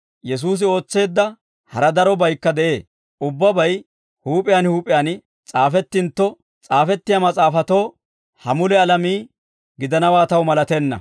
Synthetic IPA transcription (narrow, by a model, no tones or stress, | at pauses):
jɛs̬uːs̬ɪo̞ːt͡sːe̞ːd̪ːɐ | hɐɾɐd̪ɐɾɔbɐjkːɐd̪ɛʔe̞ː | ʔʊbːɐbɐj | huːpʼɪjaːnhuːpʼɪjan | t͡sʼaːfɛt̪ːɪnt̪ːɔ | t͡sʼaːfɛt̪ːɪjamɐt͡sʼaːfɐt̪o̞ː | hɐmʊlɛɐlɐmiː | ɡɪd̪ɐnɐwaːt̪ɐwmɐlɐt̪ɛnːɐ̰